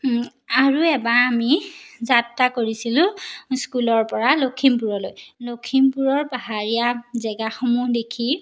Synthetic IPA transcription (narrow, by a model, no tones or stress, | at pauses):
aɹuɛbaːmizatːakoɹisilʊ̃skulɔɹpɔɹalokʰimpuɹɔlojlokʰimpuɹɔɹpaɦaɹijazɛɡaxɔmudekʰi